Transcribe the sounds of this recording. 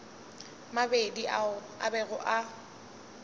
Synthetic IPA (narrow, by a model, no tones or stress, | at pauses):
mabedi | a̰bɛɣʊʔa